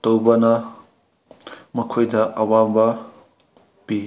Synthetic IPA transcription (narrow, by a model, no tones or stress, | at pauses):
tɐwbɐnɐ | mɐkʰojdɐʔɐwambɐ | pi